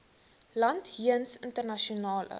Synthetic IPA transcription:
lɐnthiənsəntərnɐʃionɑːlə̰

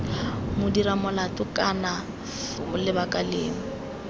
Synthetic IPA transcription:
mʊdiɾamʊlatʊkʼana | fʊlɪbakʼaleːŋ̩

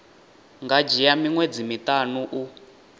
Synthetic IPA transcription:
ŋɡad͡ʒijamiŋwed͡zimitʼanuʔu

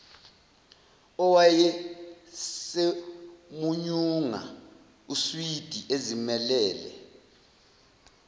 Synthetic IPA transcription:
ɔwajɛ | semuɲuŋa̰ | uswid̥ʱiʔezimɛlɛːlɛ̰

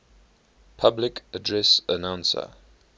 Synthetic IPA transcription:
pʰablɪkədɹɛsənãw̃nsə̰

